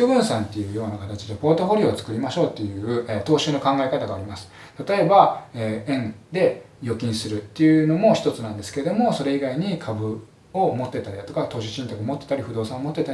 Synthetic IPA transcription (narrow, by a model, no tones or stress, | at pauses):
obɯ̟̃ɰ̃sãnt̪ːe̞jɯ̟ːjo̞ːnakat̪at͡ɕid̪e̞po̞ːt̪o̞ɸo̞ɾʲiot͡sɨ̥kɯ̟ɾʲimaɕo̞ːt̪ːe̞jɯ̟ɯet̪o̞ːɕɨːno̞kãŋɡae̞kat̪aɡaːɾʲimasɨ̥ | t̪at̪o̞e̞baeːẽ̞nd̪e̞jo̞kʲĩɰ̃sɨɾɯ̟t̪ːe̞jɯ̟no̞mo̞çi̥t̪o̞t͡sɨnãnd̪e̞sɨ̥ke̞ɾe̞d̪o̞mo̞so̞ɾe̞iɡaiɲ̟ikʰabɯ̟ | omo̞t̪ːe̞t̪aɾʲiat̪o̞kat̪o̞ːɕiɕĩnt̪akɯomo̞t̪ːe̞t̪aɾiɸɯ̟d̪o̞ːsãomo̞t̪ːet̪a